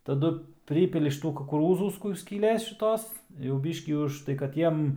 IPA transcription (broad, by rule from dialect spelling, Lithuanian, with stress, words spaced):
tɐˈdʊ ˈpʲrʲiːpʲɪlʲɪ ʃʲɪˈtuː kʊkʊˈruːzuː ˈkʊr sʲkʲiːˈlʲeːs ʃʲɪˈtoːs jɛʊ ˈbʲiːʃʲkʲiː ʊʃˈtɐɪ kɐt ˈjiɛm